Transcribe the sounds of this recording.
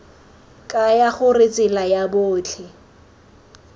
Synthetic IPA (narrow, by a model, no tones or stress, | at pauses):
kʼajaχʊrɪt͡sʼɪlajabʊːt͡ɬʰɪ